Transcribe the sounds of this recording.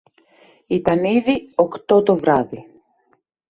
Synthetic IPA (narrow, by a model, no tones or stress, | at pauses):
it̪ɐniðio̞kt̪o̞t̪o̞vɾɐði